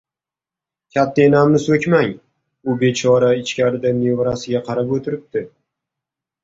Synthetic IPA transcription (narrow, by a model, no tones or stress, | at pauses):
kʲʰat̪ʰːaenamnɪsɵkʲmaŋ | ʊbe̞t͡ʃʰɒɾaɪt͡ʃkʲaɾɪd̪ane̞vɾasɪɡʲaqʰɑɾapot̪ʰɪɾɪp̚t̪ʰɪ